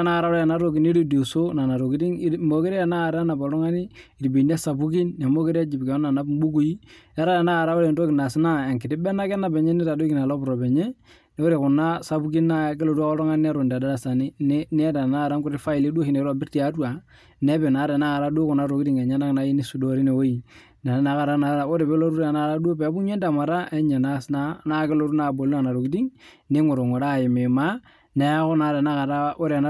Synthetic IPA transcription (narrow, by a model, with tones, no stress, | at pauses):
na˦˨ɾa˦a˨na˦ɾo˨ki˦ni˦ɾi˦do˨so˦na˨na˨ɾo˨ki˦di˦ŋ˦mo˨ki˦ɾi˦a˨na˦˨ɾa˦na˨bo˨lɔ˦ŋa˦ni˦i˨ɾbi˨n˦e˦sa˨bu˦ki˦nːɛ˨mo˦ke˦ɾa˦d͡ʒi˨bkɛ˨ɔ˦na˨na˦bm˦bu˦ku˨ji˦a˦ɾa˦e˨naː˦˨ɾa˦o˦ɾɛ˨ndo˦ki˨na˨sna˦˨e˨ŋki˨ti˦bɛ˦na˦kɛ˦na˨bɛ˨ɲe˦ni˦ta˨do˦ki˨na˨lo˦bɾo˨bɛ˨ɲe˦ | nɛ˦o˦ɾe˨ku˨na˦sa˨bu˦ki˦nːa˦˨ke˦lo˨du˦a˦ko˦ɾɔ˦ŋa˦n˦nɛ˦ɾo˨nda˨da˦da˨sa˨ni˦n˦nɛ˦da˨na˦˨ɾa˦ŋku˦ɾi˦fa˦i˨le˦du˦o˦ki˨ne˨ɾa˦˨bɪ˦ɾti˦a˦twa˨ | ne˦bɛ˨na˨˦ɾe˨na˦ka˨ɾa˦du˦kʊ˨na˦ɾo˨kdi˦ŋɛ˨ɲa˦na˦kna˦ji˦ni˦su˨do˨ɾi˦ne˨wo˦i˨ | na˨na˦ka˨ɾa˦na˨ɾa˨o˦ɾe˨bɛ˦lo˦ɾu˦ɾna˦ɾa˦du˦o˦pɛ˨˦bu˦ɲe˦nda˨ma˨ɾa˦ʔɛ˦ɲe˨na˦sna˦na˦ke˦lo˦ɾu˦na˨bo˨la˨na˨ɾo˨kdi˦ŋ | ne˦ŋo˨ɾo˨ŋo˨ɾa˦˨jɪ˨me˨ma˦ | ne˨˦a˦kʊ˦na˨da˨na˦a˨ɾa˦o˦ɾa˨n˦